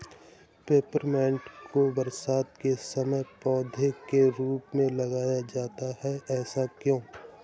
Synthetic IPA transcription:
peːpəɾmɛ̃ːɳʈkobəɾsaːt̪̚kesəməjpɔːd̪ʱekeɾuːpmẽlɐɡaːjad͡ʒaːt̪aɦɛʔɛːsakjõː

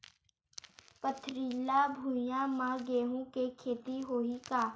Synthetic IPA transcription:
pət̪ʰɾiːlabʱũːjãːmãːɡeːɦũkekʰeːt̪iɦoːikaː

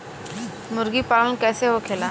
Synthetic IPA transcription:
muɾɡiːpaɭənkɛjseɦokʰela

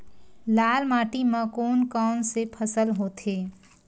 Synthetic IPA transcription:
laːlmaːʈimãkoːnkɔːnsepʰəsəlɦoːt̪ʰeː

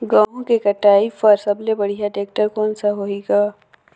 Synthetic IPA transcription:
ɡãːõkekɐʈaːifɐɾsɐblebɐɽ̤ijaʈeːk̚ʈəɾkɔːnsaɦoeːɡaː

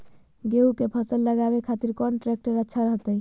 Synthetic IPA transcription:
ɡeukepʰəsəlːəɡaβekʰat̪iɾkɔnʈɾek̚ʈəɾətːʃʰaɾəɦt̪əj

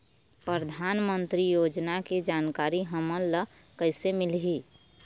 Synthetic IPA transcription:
pɾəəd̪ʱaːnmənt̪ɾijoːd͡ʒnaked͡ʒaːnkaːɾiɦəməlːə | kəɪsemɪlɦi

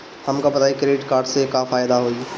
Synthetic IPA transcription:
həmkabət̪aːikɾeɖɪʈkaːɾɖsekafaːjd̪aɦoːi

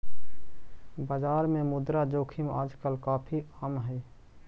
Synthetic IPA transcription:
baːd͡ʒaːɾmẽmʊd̪ɾad͡ʒoːkʰimaːd͡ʒkəlkaːpʰiəmɦɛː

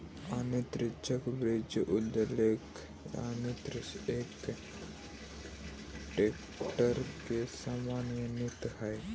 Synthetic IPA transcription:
anet̪ɾɪt͡ʃəkbɾɪd͡ʒʔʊd̪əlek | a̰net̪ɾɪseːk | ʈeːk | ʈəɾkesamaːnjənɪt̪hɛj

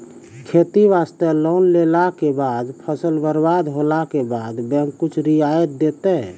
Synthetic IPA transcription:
kʰet̪iʋast̪elonlelakebad̪pʰəsəlbəɾbad̪ɦolakebad̪bɛ̃ŋkːut͡ʃʰɾiajət̪̚d̪et̪ɛ

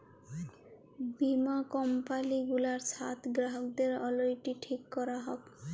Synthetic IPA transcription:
bimakɔmpaliɡulaɾsʰat̪ʰɡɾaɦok̚d̪eɾɔlojʈiʈʰikːɔɾaɦɔk

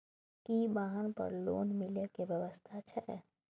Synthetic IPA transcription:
kibaːɦənpɐ̰ɾlo̰ːnmɪləkeʋjɐʋəst̪ʰat͡ʃʰɛ

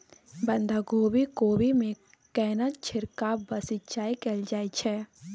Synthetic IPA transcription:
bə̃nd̪ʱaɡoːbʱikoːbimẽ | kɛːnət̪t͡ʃʰɪɾkabəsɪt͡ʃaːikeld͡ʒaːit͡ʃʰɛ

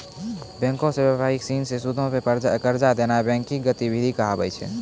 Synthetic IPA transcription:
bɛ̃ŋkõsebəbʱaɦiksiːnsesud̪ʱõpepəɾd͡ʒakəɾd͡ʒad̪enabɛ̃ŋkiɡət̪ibʱid̪ʱikəɦabə̰jt͡ʃʰɛ̰

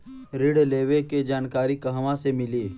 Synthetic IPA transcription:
ɾɪɽleːʋeked͡ʒaːnkaːɾikɐɦʋãsemɪliː

